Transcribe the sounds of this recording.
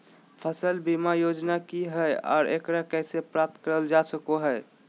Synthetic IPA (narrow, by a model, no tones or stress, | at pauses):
pʰəsəlbimajod͡ʒnakiɦəjɔ̰ːɾʔḛkɾakɛɪsepɾap̚t̪ʰkəɾəld͡ʒasəkoɦəɪ